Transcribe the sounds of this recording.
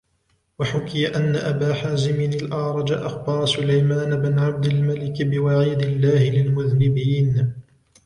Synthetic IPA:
waħʊkɪjaʔanːaʔabaːħaːzɪmɪnɪlʔɑʕɾˤɑd͡ʒaʔaxbɑɾˤɑsʊlajmaːnabɪnʕab̚d̪almalɪkbɪwaʕiːd̪ɪlːaːhɪlɪlmʊðnɪbiːn

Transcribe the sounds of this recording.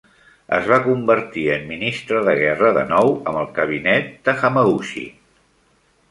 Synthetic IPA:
ə̰zβ̞akumbəɾt̪iəmːinist̪ɾəðəɣɛrəðə̰nɔwəməlˠkəβ̞inɛt̪̚d̪əxəməɣuʃḭ

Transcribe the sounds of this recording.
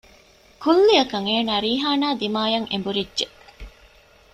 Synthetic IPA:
kʰulːiɐkɐŋeːnaːɾiːɦaːnaːd̪imaːjɐŋḛmbuɾidʒe

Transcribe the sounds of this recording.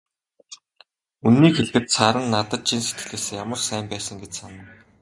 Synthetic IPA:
unːiːkxeɮt̪ɘ̆t̪saːɾə̆nːat̪ə̆t̪̚t͡ɕʰinset̪ɡɘ̆ɮeːsjamə̆rsæːmpæːsə̆ŋɡet͡ɕsanə̆n

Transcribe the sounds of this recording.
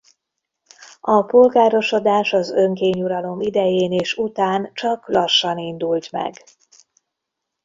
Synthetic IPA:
ɒpo̞lɡaːɾo̞ʃo̞d̪aːʃɒzøŋkeːɲuɾɒlo̞mid̪ɛjeːneːʃut̪aːnt͡ʃɒklɒʃːɒnind̪ult̪mɛ̰ɡ

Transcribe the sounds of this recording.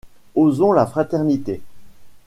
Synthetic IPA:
ozɔ̃lafχat̪ɛʁnit̪e

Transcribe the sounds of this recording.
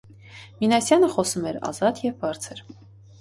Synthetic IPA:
minɑsjɑnəχɔsumɛɾɑ̰zɑt̪jɛvbɑɾt͡sʰəɾ

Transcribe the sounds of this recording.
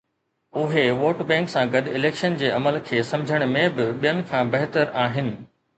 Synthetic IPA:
ʊɦeʋoːʈbɛ̃ːŋksãɡɐɗɪleːkʃənd͡ʑeːɐməlkʰeːsɐ̃md͡ʑʱəɽ̃mẽbɪɓijənɪ̆kʰãːbɐɦɪt̪əɾaːɦɪnɪ̆

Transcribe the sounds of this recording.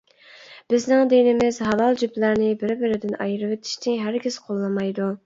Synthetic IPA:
b̥ɪznɪŋd̪enɪmɪz̥ɦɑvɑlˠd͡ʒyplæɾnɪbɪɾbɪɾɪd̪ɪnɑ̰jɾvet̪ʰɪ̥ʃt̪ʰɪɦæɾɡʲiz̥qʰolˠːɨmɑjd̪u

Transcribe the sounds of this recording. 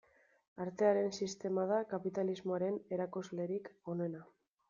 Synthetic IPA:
aɾt̪e̞aɾe̞nsist̪e̞mað̞akapit̪alizmo̞aɾe̞ne̞ɾakuzle̞ɾiko̞nena

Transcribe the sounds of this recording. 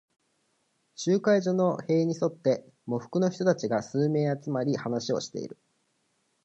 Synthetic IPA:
ɕɨːkaiʑo̞no̞he̞ːɲ̟iso̞t̪ːe̞ | mo̞ɸɯ̟̥kɯ̟no̞çi̥t̪o̞t̪at͡ɕiɡasɨːme̞ːat͡sɨmaɾʲihanaɕio̞̰ɕi̥t̪e̞̰ḭɾɯ̟

